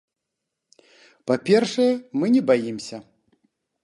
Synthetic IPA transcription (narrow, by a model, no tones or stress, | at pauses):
papʲɛrʂɐjɛmɨnʲɛbajimsʲɐ